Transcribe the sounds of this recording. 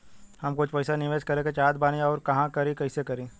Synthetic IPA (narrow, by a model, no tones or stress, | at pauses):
hɐmkʊt͡ʃʰpɐɪsanɪʋeːʃkɐɾeket͡ʃaːd̪baːneɔːɾkɐɦãkɐɾẽkɐɪsekɐɾẽː